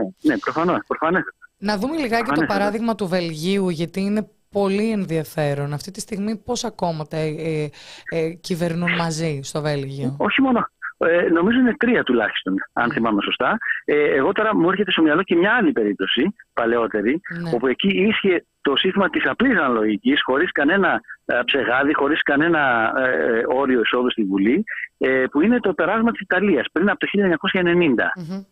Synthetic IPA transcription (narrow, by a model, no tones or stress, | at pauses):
nene̞pɾo̞fɐno̞spɾofɐnesnɐðume̞liɣɐcet̪opɐɾɐðiɣmɐt̪uve̞lʝiuʝɐt̪iːne̞ | po̞lienðiɐfe̞ɾo̞nɐft̪it̪ist̪iɣmipo̞sɐko̞mɐt̪ɐ | cive̞ɾnunmɐzist̪o̞ve̞lʝioo̞çimo̞noeno̞mizo̞ine̞t̪ɾiɐt̪ulɐ̰çi̥st̪o̞nɐ̰nθimɐme̞so̞st̪ɐeeɣo̞t̪o̞ɾɐmue̞ɾçe̞t̪est̪o̞miɐlo̞ce̞mɲɐːlipe̞ɾip̚t̪o̞sipɐle̞o̞t̪e̞ɾio̞pue̞ciisçe̞ | t̪o̞sint̪imɐt̪isɐplisɐnɐlo̞ʝicisxo̞ɾiskɐne̞nɐpse̞ɣɐðixo̞ɾiskɐne̞nɐ | o̞ɾio̞iso̞ðust̪ivuliepuine̞t̪ope̞ɾɐzmɐt̪i̥si̥t̪ɐliɐspɾinɐpot̪oçiʎɐeɲɐko̞sçɐene̞nind̪ɐ̰